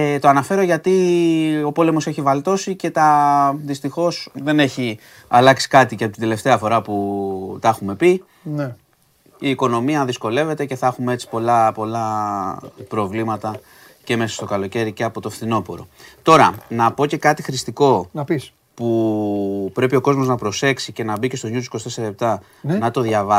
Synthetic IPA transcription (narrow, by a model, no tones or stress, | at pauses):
t̪o̞ɐnɐfe̞ɾoʝɐt̪io̞po̞le̞mo̞se̞çivɐlt̪o̞sice̞t̪ɐðist̪ixo̞sðe̞ne̞çi | ɐlɐksi̥kɐt̪icɐpot̪d̪e̞le̞ft̪e̞ɐfo̞ɾɐput̪ɐexume̞pi | ne | iːko̞no̞miɐðisko̞le̞ve̞t̪e̞ce̞θɐxumee̞t͡si̥po̞lɐpo̞lɐ | pɾo̞vlimɐt̪ɐ | ce̞me̞sɐ̥st̪o̞kɐlo̞ce̞ɾice̞ɐpo̞t̪ofθino̞po̞ɾo̞̰t̪o̞ɾɐnɐpo̞ce̞kɐt̪ixɾist̪iko̞npis | pu | pɾe̞pio̞ko̞zmo̞znɐpɾo̞se̞ksice̞nɐbicest̪oɲut̪usikosit̪eseɾilep̚t̪ɐ | nɐt̪o̞ðʝɐvɐ